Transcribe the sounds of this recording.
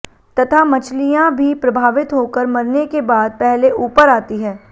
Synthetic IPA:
t̪ɐt̪ʰamɐt͡ʃʰlijãbʱipɾɐbʱaːʋɪt̪ɦokəɾmɐɾnekebaːd̪̚pɛɦleʔuːpəɾaːt̪iɦɛ̃ː

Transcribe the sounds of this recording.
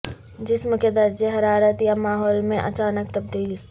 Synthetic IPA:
d͡ʒɪsmked̪ɐɾd͡ʒeɦɐɾaːɾət̪jamaːɦɔːlmẽʔɐ̰t͡ʃaːnək̚t̪ɐb̚d̪iːl

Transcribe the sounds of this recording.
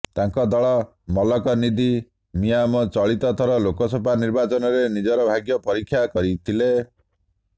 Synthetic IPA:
t̪aŋkɔd̪ɔɭɔ | mɔlɔkɔnid̪i | mijamɔt͡ʃɔɭit̪ɔt̪ʰɔɾɔlokɔsɔpaniɾbat͡ʃɔnɔɾenid͡ʒɔɾɔbʱaɡjɔpɔɾikʰːjakɔɾit̪ʰile

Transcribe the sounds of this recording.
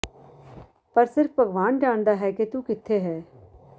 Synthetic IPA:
pəɾsɪɾfʰbəɡʋaːnd͡ʒaːɳd̪aːɦɛːket̪ukɪt̪ʰːeɦɛː

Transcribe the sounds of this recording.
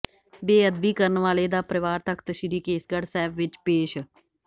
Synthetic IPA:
beːəd̪biːkəɾnʋaːleːd̪aːpɾəʋaːɾt̪əkʰt̪əʃiɾiːkeːsɡəɽsɛːbʋɪt͡ʃpeːʃ

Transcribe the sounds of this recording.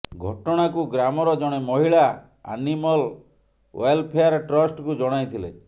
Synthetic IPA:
ɡʱɔʈɔɽ̃akuɡɾamɔɾɔd͡ʒɔɽ̃emɔɦiɭa | a̰nimɔl | welpʰejaɾʈɾɔsʈkud͡ʒɔɽ̃ajt̪ʰilḛ

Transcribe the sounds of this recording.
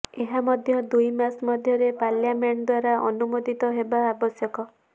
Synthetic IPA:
eɦamɔd̪ʱjɔd̪ujmasmɔd̪ʱjɔɾepaljameɳd̪waɾaʔɔnumod̪it̪ɔɦebaːbɔsjɔkɔ

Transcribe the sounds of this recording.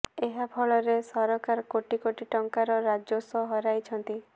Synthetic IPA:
eɦapʰɔɭɔɾesɔɾɔkaɾkoʈikoʈiʈɔŋkaɾɔɾad͡ʒosɔɦɔɾajt͡ʃʰɔnt̪i

